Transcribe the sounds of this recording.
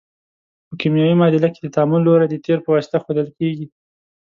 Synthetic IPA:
pəkimjɑwimɑd̪ɪlake̥d̪ət̪ɑmunloɾad̪ət̪eɾpəwɑsɪ̥t̪axod̪əlkeɡi

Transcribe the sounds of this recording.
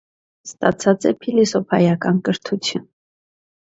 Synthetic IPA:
st̪ɑt͡sʰɑt͡sɛpʰilisɔpʰɑjɑkɑnkəɾt̪ʰut͡sʰjun

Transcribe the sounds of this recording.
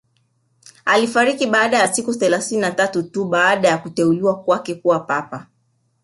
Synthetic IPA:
alifaɾikiɓaːɗajasikuθɛlaθininatatutuɓaːɗajakutɛuliwakwakɛkuwapapa

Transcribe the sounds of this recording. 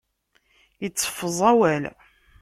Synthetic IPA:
jət͡sːə̥fːəzˤɑwæl

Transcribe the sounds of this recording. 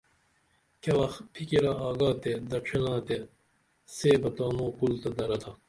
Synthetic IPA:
kɐwɐxpʰikiɾɐaːɡaːt̪ed̪ɐʈ͡ʂʰinaːt̪e | seːbɐt̪aːnõːkult̪ɐd̪ɐɾɐt̪ʰɐ

